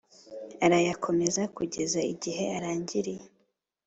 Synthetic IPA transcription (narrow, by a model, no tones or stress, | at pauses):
aɾajakʰo̞me̞zakuɟe̞zaiɟiɦe̞aɾaːɲɟiɾije